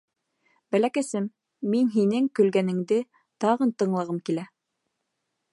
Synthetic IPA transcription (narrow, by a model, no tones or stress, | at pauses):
bælækæsɘmː | inɦinɘŋkɵ̆lɡænɘ̆ŋd̪ɘ | t̪ɑʁɤnt̪ɤ̆ɴlˠɑʁɤmkilæ